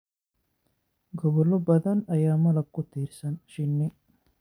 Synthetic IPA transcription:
ɡɔbɐlobɐd̪ɐnɐjaːmɐlɐkːut̪iːɾsɐnʃinːi

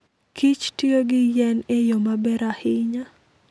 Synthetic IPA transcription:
kʰit͡ʃtioɡɪjɛnejomabɛɾahɪɲa

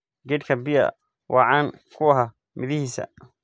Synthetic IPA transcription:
ɡɛd̪kʰɐbɪjɐ̰ | wʔɑ̰ʕɑːŋkʰʊɐɦɐ | mɪðɪhiːsɐ̰

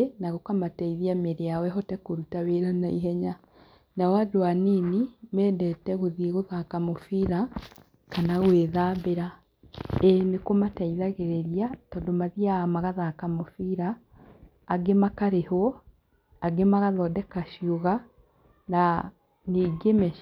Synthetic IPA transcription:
naɣokamataiðiameɾeawɛɦɔtɛkoɾutaweːɾanaiɦɛɲa | nawadwaniːnimɛːdɛtɛɣoðiɣoðakamofiɾa | kanaɣweːðaːβeɾa | ɛnekomataiðaɣeɾeɾiatɔdomaðiamaɣaðaːkamofiːɾaː | ɡemakaɾehwɔ | aɡemaɣaðɔdɛkaʃjoɣa | na | niɡemɛ

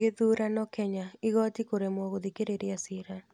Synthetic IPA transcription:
eðuɾanɔkʰɛɲaɪɣɔtikoɾemwɔɣoðikeɾeɾjasɪɾa

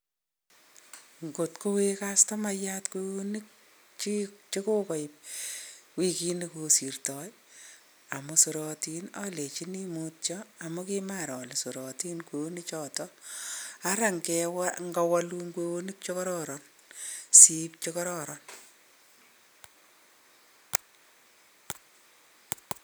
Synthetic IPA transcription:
ŋɡotkowekastɔmajatkweonik̚ | t͡ʃit͡ʃekokɔɪp̚ | wikinekosirtɔj | amʊsuɾɔtinalet͡ʃinimut̚t͡ʃɔamukimaɾɔlesuɾɔtinkwoonit͡ʃɔtɔ | aɾaŋkɛwaŋɡawaluŋkweonik̚t͡ʃokɔɾɔɾɔn | sip̚t͡ʃokɔɾɔɾɔn

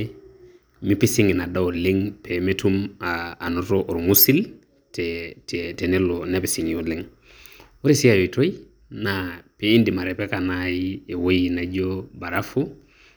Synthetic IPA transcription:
mipisiŋinadaoliŋpʰemetumaːnotoʔoɾmusil | tɛttenelonepisiŋuliŋ | woɾisiajitoji | napeindimaɾepekanajiewojinad͡ʒobaɾafu

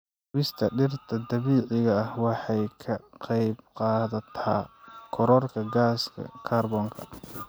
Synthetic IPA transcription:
hʊβɪst̪ʰɐɖɪrt̪ʰɐd̪ɐβiːʕɪɣɐːhwɑħɑjkʰɐqɑjb̚qɑːðɐt̪ʰa̰ːkʰɔɾɔrkʰɐɡaːskʰɐ̰kʰaːrbɔːŋkʰɐ̰

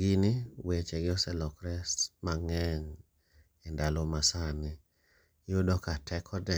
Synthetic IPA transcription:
ɡiniwet͡ʃeɡɪɔsɛlɔkɾɛsmaŋɛɲ | ɪndalomasanɪ | jodɔkatʰɛkʰɔdɛ

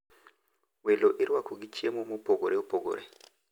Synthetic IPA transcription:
weloʔeɾwakoɡit͡ʃemomopoɡoɾeopoɡo̰ɾḛ

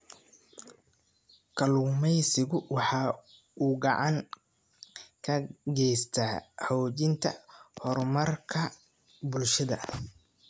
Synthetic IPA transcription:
kʰɐluːmɛjsɪɣʊwɑħɑː | uːɡɑʕɑŋ | kʰɐɡɛjst̪ʰaːhɔːt͡ʃɪnt̪ʰɐ̰hɔrmɐrkʰɐ | bʊlʃɐðɐ̰

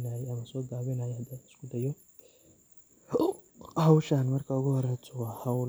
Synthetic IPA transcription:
naːjɛɐmɐsɔːɡaːβɪnaːjɛhɐd̪aːɪ̥skʰʊd̪ɐjɔ | hɐwʃanmɐrkʰaʊɣʊhɔɾɛt͡ʃʊɣɐhɐwl

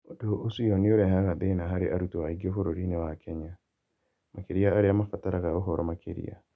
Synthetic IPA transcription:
odoʔosijɔnioɾɛɦaɣadeinaɦaɾeʔaɾutoaiɡiofoɾoɾinewakʰɛɲa | mʔakeɾiaːɾeamafataɾaɣaoɦɔɾɔmakʰḛɾḭa̰

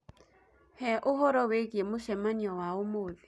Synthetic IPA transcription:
hɛʔʊɦɔɾɔwekʼiemʊʃɛmaniɔwaʊmoːlɪ

